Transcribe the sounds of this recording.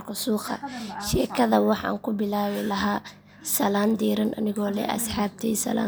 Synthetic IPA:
rkʰɐsuːqɐ̰ʃɛːkʰɐðɐwɑħɑ̰a̰ːŋkʰʊbɪlaːβɪlɐɦaː | sɐlaːnd̪iːɾɐnʔɐ̰nɪɣɔːlɛ̰ʔɐ̰sħɑːb̚t̪ʰisɐ̰la̰ː

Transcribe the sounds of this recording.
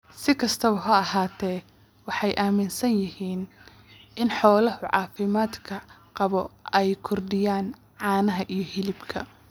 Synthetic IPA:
sɪkʰɐst̪ʰɐβɐɦɐɐɦaːt̪ʰɛː | wɑħɑjʔaːmɪnsɐnjɪhiːn | ʔɪnħɔːlɐhʊʕɑ̰ːfɪmaːd̪kʰɐqɑβɔɛjkʰʊrɖɪjaːn | ʕɑːnɐɦɐʔijɞhɪlɪbkʰɐ̰

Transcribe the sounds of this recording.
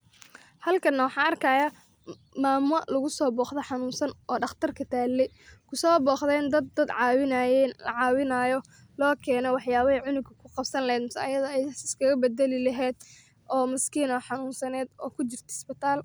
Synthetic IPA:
hɐlkʰɐnːɐwɑħɑːnɐrkʰaːja | maːmʊɐ̰ʔlʊɣʊsɔːbɔːχd̪ɔħɑnuːnsɐnʔɔːɖɑχt̪ʰɐrkʰɐt̪ʰaːlːɛ | kʰʊsɔːbɔːχd̪ɛnd̪ɐd̪ɐd̪ʕɑːwɪnɐjɛnlɐ̰ʕɑːwɪnɐjɔ | lɔːkʰɛːnɛwɑħjaːβɐhɛʕʊnʊɡkʰɐkʰʊqɑbsɐnlɐɦɛːd̪mɪsa̰ːjɐðɐɛjɪskʰɐɣɐbɛd̪ɛlɪlɐɦɛːd̪ | ʔɔːmɪskʰiːnɔħɑnuːnsɐnɛːd̪ɔːkʰʊt͡ʃɪrt̪ʰɛsbɪt̪ʰaːl

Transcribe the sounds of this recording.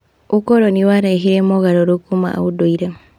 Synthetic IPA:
ukoɾoniwaɾaiɦiɾemoɣaɾoɾokuma̰a̰udoiɾe

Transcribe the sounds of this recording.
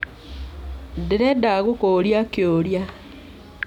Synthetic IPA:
deɾedaɣukoɾjakjoːɾja

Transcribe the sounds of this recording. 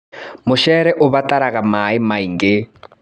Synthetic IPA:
mʊʃɛɾɛʔʊβataɾaɣamaimaiŋɡe

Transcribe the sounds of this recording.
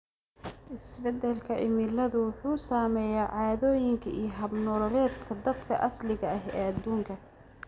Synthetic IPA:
ʔɪsbɛd̪ɛlkʰɐʔɪ̰mɪlɐðʊwʊħuːsaːmɛːjaːʕɑːðɔːjɪŋkʰɐʔijɞɦɐbnɔlɔlɛːd̪kʰɐd̪ɐd̪kʰɐʔɐslɪɣɐɐɦɛːɐd̪ːuːŋkʰɐ

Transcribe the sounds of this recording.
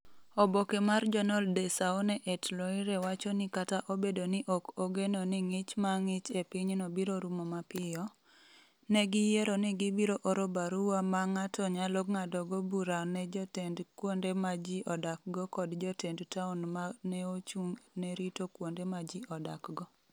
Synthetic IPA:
obokemard͡ʒɔnɔldesaonɛʔetloɪɾɛwat͡ʃɔnɪkataʔobedonɪʔokoɡenonɪŋɪt͡ʃmaŋɪt͡ʃepɪɲnobiɾoɾumɔmapɪjɔ | nɛɡijeɾonɪɡibiɾoʔoɾobaɾuwamaŋatɔɲaloɡŋadɔɡobuɾanɛd͡ʒɔtendkwondemad͡ʒiʔɔdak̚ɡɔkɔdd͡ʒɔtendtaunmanɛot͡ʃuŋnɛɾitokwondemad͡ʒiɔdakɡɔ

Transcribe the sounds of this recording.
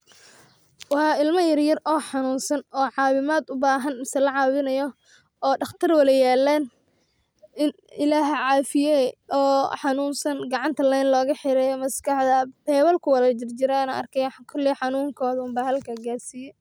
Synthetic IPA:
wɑħɑːɪlmɐjɐrjɐrɔːħɑnuːnsɐnɔːʕɑːwɪmaːd̪ʊbaːɦɐnmɪsɛlɐʕɑːwɪnɐjɔ | ɔːɖɑχt̪ʰɐrwɐlɛjaːlːaːn | ɪn | ɪlaːɦʕɑːfɪjɛɔːħɑnuːnsɐnɡɑʕɑnt̪ʰɐlɛjnlɔːɣɐħɪɾɛjmɐskɐħd̪ɐpɛːwɐlkʰʊwɐlɐd͡ʒɪrt͡ʃɪɾaːnɐɐ̰rkʰɛjkʰɔlːɪħɑnuːŋkʰɔːðumbaːhɐlkʰɐɡaːrsiːjɛ

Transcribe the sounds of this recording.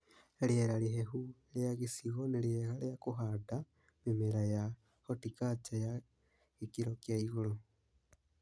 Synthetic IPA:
eljeɾaliɦehu | ljaɣisiɣonelieɾaljakuɦada | mimeɾaja | hotikat͡ʃaja | ikiɾokjaiɣolo

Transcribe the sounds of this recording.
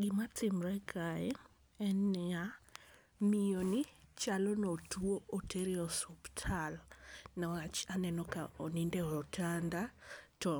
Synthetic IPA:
ɡɪmatɪmɾɛkaɛ | ɛnja | mijonit͡ʃalɔnɔtuoʔoteɾiɔsuptʰalnawat͡ʃanɛnɔkaonindɛɔtʰandatɔ

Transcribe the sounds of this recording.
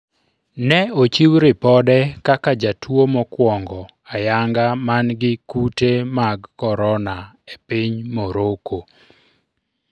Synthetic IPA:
nɛot͡ʃiwɾɪpɔdɛkakad͡ʒatʰwomɔkwɔŋɡɔ | ajaŋɡamanɡɪkutemaɡkɔɾɔna | epiɲmoɾoko

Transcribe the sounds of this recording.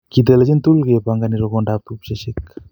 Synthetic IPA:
kit̬elad͡ʒint̪ulɡepaŋɡaniɾoɡondap̚t̪upsesik̚

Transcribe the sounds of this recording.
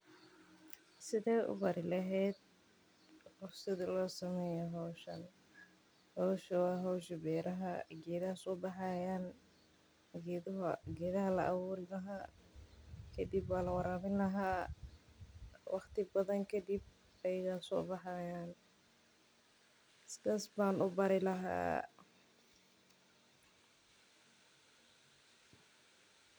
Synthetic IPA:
sɪðɛʔʊ̰bɐɾɪlɐɦɛːd̪̚ | hʊfsɐðɪlɔːsɐmɛːjɛɦɔwʃɐ̰n | hɔwʃɐwɑːɦɔwʃɪbɛːɾɐɦɐɡɛːðɐhɐsɔːbɑħɑjaːn | ɡɛðɦɡɛːðɐɦɐlɐ̰ʔɑβuːɾɪmɐɦa | kʰɐd̪ibwaːlɐwɑɾaːmɪnlɐɦaː | wʔɑχt̪ɪbɐðɐŋkʰɐd̪ib̚ | ɛjɪɣaːsɔ̰ːbɑħaːjaːn | sɪðaːsbaːnʔʊbɐɾɪlɐɦa̰ː

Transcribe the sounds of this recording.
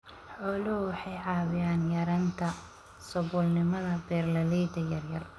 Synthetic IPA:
ħɔːlʊhʊwɑħɑjʕɑːβɪjaːnjɐɾɐnt̪ʰɐ | sɔβʊːlnɪmɐðɐbɛːrlɐlɛd̪ɐjɐrjɐr

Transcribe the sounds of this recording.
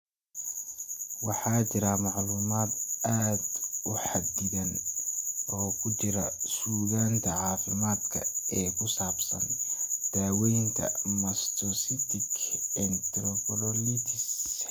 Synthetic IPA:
wɑħɑːt͡ʃɪɾɐmɑʕluːmaːd̪aːd̪ʊħɑd̪ɪðɐn | ʔɔːkʰʊt͡ʃɪɾɐsuːɣaːnt̪ʰɐʕɑːfɪmaːd̪kʰɐ̰ɛːkʰʊsaːbsɐnd̪̥aːwɛjŋkʰɐ̰mɐst̪ʰɔsɪt̪ʰɪkʰɛnt̪ɾɔpɔlɔlit̪ʰɪss

